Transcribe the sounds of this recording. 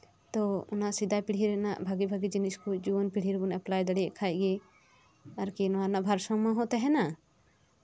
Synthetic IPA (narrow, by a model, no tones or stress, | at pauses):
t̪ɔʊnasid̪apiɽ̤ʱiɾna̰ʔbʱaɡibʱaɡid͡ʒiniskod͡ʒunpiɽ̤ʱiɾbunɛplaːjd̪ɐɽiʔkʰajɡe | ɐɾkinwaɾnabʱaɾsɔ̃mãɦot̪eɦɛna